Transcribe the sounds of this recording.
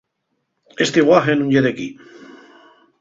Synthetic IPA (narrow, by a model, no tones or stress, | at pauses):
est̪eiɣwaxenũɲʝeðeki